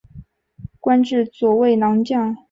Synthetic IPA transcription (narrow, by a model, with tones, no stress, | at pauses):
kwa˥nʈ͡ʂɻ̩˥˩t͡swɔ˨˩we˥˩ɪnɑ˧˥ŋt͡ɕjɑ˥˩ŋ